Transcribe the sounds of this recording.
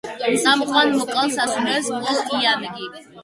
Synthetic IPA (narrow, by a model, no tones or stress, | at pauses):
samχʼwanmɔkʼalˠsasulɛskʼɔsiamɡi